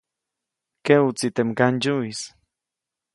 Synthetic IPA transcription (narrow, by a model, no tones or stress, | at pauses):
keut͡sit̪emkand͡ʒuis